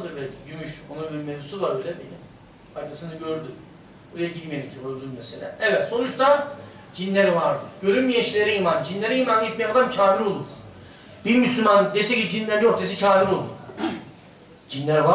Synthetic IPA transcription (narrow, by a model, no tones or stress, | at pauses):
d̪ɯɾbɛlʲʰiɟymyʃonunbiɾmezusuvaɾbejlʲɛbelʲi | ajk̪ʰasɯnaɟøɾd̪y | buɾajaɟilʲmeɾimd͡ʒ̪oɾøzylmeselʲɛ̰evɛt̪so̞nut͡ʃt̪ʰa | d͡ʒinlʲeɾivaɾd̪ɯɟøɾymmijeʃlʲeɾiimand͡ʒinlʲeɾiimanet̪mɛjaad̪amcʰaːfiɾo̞lˠuɾ | biɾmyslʲymand̪esɛcid͡ʒinlʲæɾd͡ʒio̞ɾt̪ʰas̬icʰaːfiɾo̞lˠɾˠ | d͡ʒinlʲæɾva